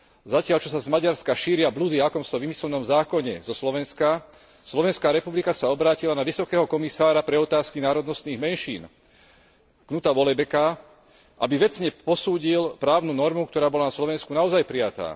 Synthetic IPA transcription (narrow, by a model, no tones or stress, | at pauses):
zacɪaʎt͡ʃɔs̬azmaɟaɾskaʃiːɾɪablud̪iakɔmsɔʋimislɛnɔmzaːkɔɲɛzɔslɔʋɛnska | slɔʋɛnskaːɾɛpublikasaɔbɾaːcilanaʋisɔkɛːɦɔkɔmisaːɾapɾɛɔt̪aːskinaːɾɔd̪nɔst̪niːɣmɛnʃḭːn | knut̪aʋɔlɛbɛka | ʔa̰biʋɛt͡sɲɛpɔsuːɟilpɾaːʊnunɔɾmukt̪ɔɾaːbɔlanaslɔʋɛnskunaɔzajpɾijat̪a̰ː